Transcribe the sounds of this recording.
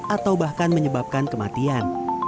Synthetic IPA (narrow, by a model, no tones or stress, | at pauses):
ʔat̪awbahkanməɲəbap̚kankəmat̪ian